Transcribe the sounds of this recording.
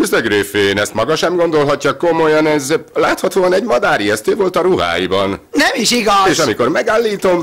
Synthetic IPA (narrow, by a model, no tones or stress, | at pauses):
yzøɡreːfeːnɛst̪mɒɡɒʃɛmɡo̞nd̪o̞lɦɒcːɒko̞mo̞jɒnɛzlaːt̪hɒt̪oːɒnɛɟmɒd̪aːɾiɛst̪eːvo̞lt̪ɒɾuɦa̰ːjibɒnnɛmiʃiɡɒzeːʃɒmiko̞rmɛɡaːlːiːt̪o̞m